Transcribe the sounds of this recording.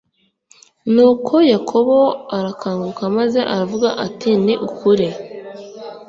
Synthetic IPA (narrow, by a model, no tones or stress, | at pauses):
nuːkʰo̞jakʰo̞βo̞aɾakʰaːŋɡukamaze̞ʔaɾavuɡaʔatiniʔukʰuɾe